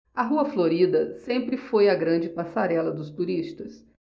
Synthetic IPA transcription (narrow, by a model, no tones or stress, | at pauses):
ɐɦuɐfloɾid̪ɐsẽmpɾɪfojɐɡɾɐ̃d͡ʒɪpasaɾɛlɐd̪ʊst̪uɾist̪ɐs